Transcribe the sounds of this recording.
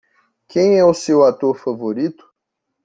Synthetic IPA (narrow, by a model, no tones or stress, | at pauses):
kẽj̃ɛʊsewat̪oɾfavoɾit̪ʊ̥